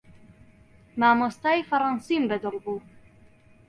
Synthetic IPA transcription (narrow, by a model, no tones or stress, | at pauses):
maːmost̪aːjifɐɾɑnsimbɛd̪ɨlbuː